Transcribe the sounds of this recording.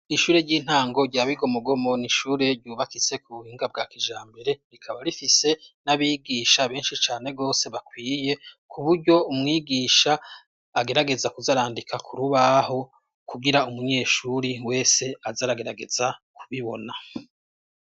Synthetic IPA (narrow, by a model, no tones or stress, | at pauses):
iʃuːɾe̞ɾɟiːn̥haːŋɡo̞ɾɟaːβiɡo̞muɡo̞mo̞niʃuːɾe̞ɾɟuːβakize̞kuβuhiːŋɡab̚ɡaːkiʒaːmbe̞ɾe̞ɾikʰaβaɾifise̞naβiɡiːʃaβe̞ːnʃit͡ʃaːne̞ɡo̞ːse̞βakwiːje̞kʰuβuɾɟo̞umŋiːɡiːʃaː | ɡe̞ɾaɡe̞zakuzaɾaːndikʰakʰuɾuβaho̞ | kuɡiɾaumuɲe̞ːʃuɾiwe̞ːse̞azaɾaɡe̞ɾaɡe̞zakuβiβo̞̰na